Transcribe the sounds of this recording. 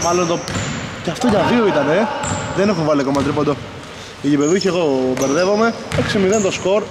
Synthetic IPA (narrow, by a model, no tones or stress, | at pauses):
mɐlont̪oceɐft̪o̞ʝɐvio̞it̪ɐneðenexunvɐliɐkomɐt̪ɾipond̪o | iʝipe̞ðuçieɣo̞beɾðevo̞me | eksimiðent̪o̞sko̞ɾ